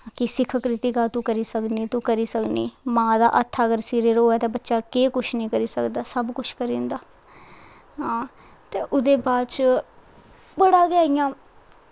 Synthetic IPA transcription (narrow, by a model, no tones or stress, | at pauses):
kɪsɪkʰkɾɪt̪iːkaːt̪ũːkəɾiːsəkniːt̪ũːkəɾiːsəknḭːmãːd̪a̰ːʔət̪ʰːaːəɡəɾsiːɾeɾɦoːɛːt̪ẽːbətːʃaːkeːkʊt͡ʃʰnĩːkəɾiːsəkd̪aːsəbkʊt͡ʃʰkəɾĩːnd̪aː | ɦãː | t̪eːʔʊd̪eːbaːt͡ʃ | bəɽaːɡaːijãː